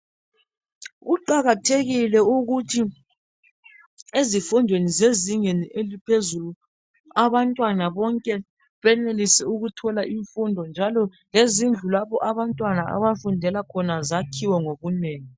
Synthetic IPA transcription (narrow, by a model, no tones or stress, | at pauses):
uǃaɣatʰeɣilɛuɣutʰi | ezifundʱwenizeziŋeniʔelipʰezulu | aβantʼwanaβɔŋkʼɛ | βɛnelisɛuɣutʰɔlaʔiɱfundʱɔnd͡ʒʱalɔ | lezind͡ɮʱulaβɔʔaβantʼwanaa̰βafundʱɛlakʰɔnazakʰiwɛŋoβuneːŋi